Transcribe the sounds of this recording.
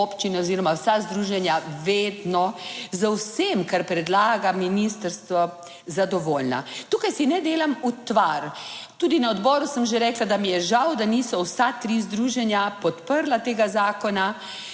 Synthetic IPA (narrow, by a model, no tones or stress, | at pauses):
opt͡ʃinaɔziːɾɔmawsazd̪ɾuːʒɛnjaʋeːd̪nɔzawsemkaɾpɾɛd̪laːɡaminist̪əɾst̪ʋɔ | zad̪ɔʋoːlna̰t̪uːkajsinɛd̪eːlamut̪ʋaɾt̪uːd̪inɐɔd̪bɔːɾusəmʒeɾɛːklad̪amijɛʒawd̪aniːsɔwsat̪ɾizd̪ɾuːʒɛnjapɔt̪pəɾlat̪eːɡazaːkɔna